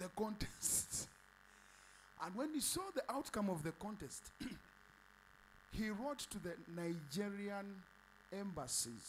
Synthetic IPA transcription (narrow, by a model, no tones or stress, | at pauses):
ðəkɔ̃ntʰɛsts | ʔə̃nwɛ̃nhisɔðiʔaʊtkʌ̃mʌvðɨkɑ̃ntɛst | hiɹotʰːɨðɨnaɪd͡ʒiɹiə̃n | ɛ̃mbəsḭz̥